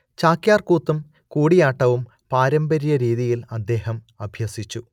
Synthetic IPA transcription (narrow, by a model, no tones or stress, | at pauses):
t͡ɕaːkjaːrkuːt̪ːum | kuːɽijaːʈːɐʋum | paːɾɐmbɐɾijɐɾiːðijilɐd̪ːe̞ːɦɐm | ɐbʱjɐsit͡ɕːu